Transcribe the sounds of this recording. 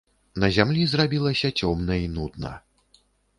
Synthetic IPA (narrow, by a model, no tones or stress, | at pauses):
nɐzʲamlʲizrabʲilˠɐsʲɐt͡sʲɔmnɐinud̪̚nɐ̰